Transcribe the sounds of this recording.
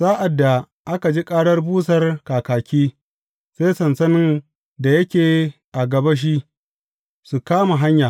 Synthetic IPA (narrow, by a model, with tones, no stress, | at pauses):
z̥aː˦ʔa˨dːa˨ | ʔa˦ka˨d͡ʒi˦kʼaː˦ɽɐ˦rbuː˦s̬ɐ˨rkaː˨kaː˨kʲiː˦ | seː˦sɐ˨nsɐ˦nɪ˦n | da˨jɐ˦kʲeː˨ | ʔa˨ɡɐ˨ba˦ʃ̬i˦ʔ | su˨kaː˦ma˨ɦa˦ɲjaː˨